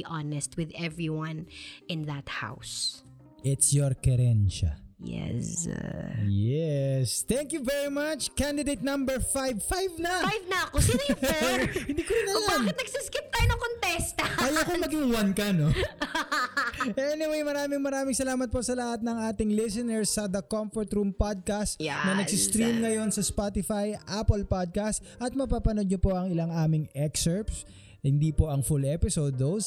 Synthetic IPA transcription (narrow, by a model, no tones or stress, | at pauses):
ʔanɛst̪̚wɪðɛvɹiwɐ̃nɪ̃nðɐt̪̚ha̰ws | ʔɪt̪sjoɹkɐɾɛnʃɐ̰jɛ̰s | jɛst̪ɛŋkjuvɛɹimɐt͡ʃkand̪ɪd̪ejt̪̚nɐ̃mbɛɹfajvfajvnɐfajvnɐɐkos | ɪ̃nd̪iːkoɾɪnɐlanɐt̪nɐɡsɪskɪp̚t̪aːjʊnɐkont̪ɛst̪ɐkɐjakomɐɡiŋwɐnkɐno | ʔɛnɪwejmɐɾaːmɪŋmɐɾaːmɪŋsɐlaːmɐt̪̚po̞sɐlɐhat̪̚nɐŋaːt̪ɪŋlɪsɪnɛɹsːɐd̪ɐkomfɔɹt̪ɾumpad̪̚kast̪nɐnɐɡsist̪ɾimŋɐjo̞nsɐspat̪ɪfajʔapɐlpad̪̚kast̪ʔɐt̪̚mɐpapɐnod̪̚ɲopo̞ʔɐŋɪlaŋʔaːmɪŋɛksɛɹps | hɪnd̪ipo̞ʔɐŋfulʔɛpɪsod̪os